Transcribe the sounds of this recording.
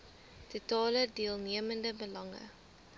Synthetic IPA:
tutɑːlədiəlˠniəməndəbəlɐŋə̰

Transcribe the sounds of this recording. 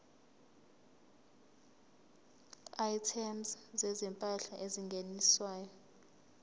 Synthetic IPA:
ajtʰɛmszɛzɛmpʼaɬaʔeziŋɡʱeniswaːjɔ

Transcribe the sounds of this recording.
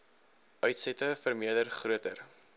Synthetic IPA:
ʔœɥtsɛtəfərmiədərχruətər

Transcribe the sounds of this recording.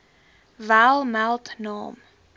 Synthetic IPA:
væːlˠmælˠtnɑːm

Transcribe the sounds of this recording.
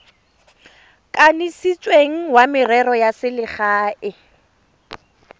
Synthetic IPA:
kʼanisit͡sʼweŋ̩wamɪrɛɾɔjasɪlɪχaːɪ

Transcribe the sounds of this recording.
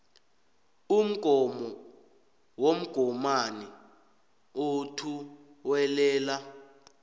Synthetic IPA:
um̩ɡ̥ʱɔmɔ | wom̩ɡ̥ʱɔmani | otʰu | wɛlɛːla

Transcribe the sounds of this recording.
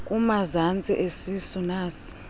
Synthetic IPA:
kʼumazant͡sʼiʔesisunaːsi̥

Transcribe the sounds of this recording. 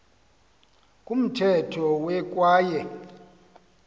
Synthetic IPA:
kʼum̩tʰɛtʰɔwɛkʼwaːjɛ

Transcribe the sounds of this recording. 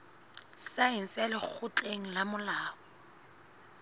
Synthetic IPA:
saɛn̩salɪk͡xʰʊt͡ɬʼeŋ̩lamʊlaːɔ

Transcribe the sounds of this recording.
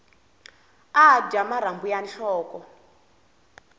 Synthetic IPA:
ad͡ʒamaɾ̤ambujanɬɔːkɔ

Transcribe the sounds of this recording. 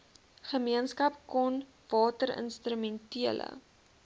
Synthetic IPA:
χəmiənskɐp̚kɔn | v̥ɑːtəɾə̰nstɾymɛntiələ̰

